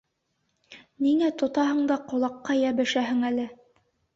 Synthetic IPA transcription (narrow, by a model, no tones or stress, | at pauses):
niŋæt̪ŏt̪ɑɦɤ̆ɴd̪ɑqŏlˠɑqːɑjæβɘ̆ʃæɦɘ̆ŋælɘ